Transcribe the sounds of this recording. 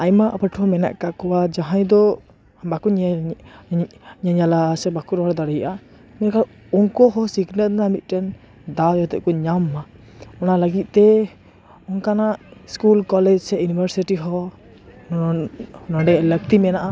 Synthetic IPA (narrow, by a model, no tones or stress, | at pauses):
ajmaʔapəʈʰhɔmɛna̰ʔkakɔwad͡ʒaɦãjd̪ɔ | bakuɲ | ɲaɲalasɛbakuɾɔaɽd̪aɽɛjʔa | mɛnka | unkɔɦɔsiɡnəlnamit̪̚ˀʈɛn | d̪ajɔt̪ɛ̰ʔ̚kɔɲamːa | ɔnaləɡit̪̚ˀt̪ɛ | ɔnkanaʔskulkɔlɛd͡ʒsɛjunibʱəɾsiʈiɦɔ | nɔɖɛlək̚t̪imɛnaʔa